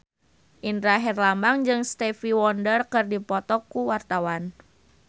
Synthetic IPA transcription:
ʔindɾaɦɛrlambaŋd͡ʒɨŋst̪ɛfiwɔndərkɨrdipɔt̪ɔkːuwart̪awan

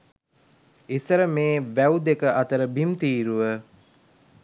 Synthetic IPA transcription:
isəɾəmeːʋæwd̪ekəʔɐt̪əɾəbimt̪iːɾuʋə

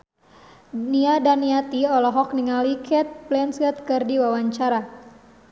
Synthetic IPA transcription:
niadaniat̪iɔlɔɦɔk̚niŋalikʰɛt̪̚plɛnsət̪̚kɨrdiwawaɲt͡ʃaɾa

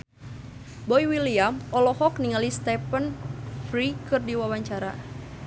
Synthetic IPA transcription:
bɔjwiliamɔlɔhɔkniŋalist̪ɛpənfɾikɨrdiwawaɲt͡ʃaɾa̰

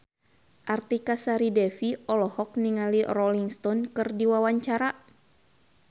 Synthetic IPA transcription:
ʔart̪ikasaɾidɛfiɔlɔhɔk̚niŋalirɔliŋst̪ɔnkɨrdiwawaɲt͡ʃaɾa

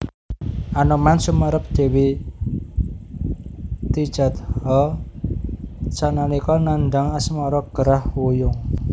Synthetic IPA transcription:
ʔanɔmansumaɾəp̚d̪̥e̤wi | t̪id̥ʒ̥a̤t̪hɔ | t͡ʃananikɔnanɖaŋasmɔɾɔɡ̥əɾahwujʊŋ

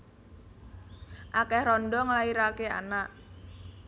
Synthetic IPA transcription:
ʔakɛhrɔndɔŋlaiɾakea̰naʔ

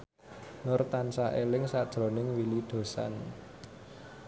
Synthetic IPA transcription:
nʊrt̪ansaʔelɪŋsad̥ʒ̥ɾo̤nɪŋwilid̪̥o̤sa̰n

